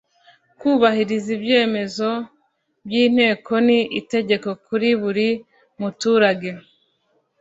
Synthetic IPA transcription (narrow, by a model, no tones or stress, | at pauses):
kuːβahiɾizibje̞ːme̞zo̞ | bjiːn̥he̞ːkʰo̞niʔite̞ɟe̞ko̞kuɾiβuɾi | mutuːɾaɡe̞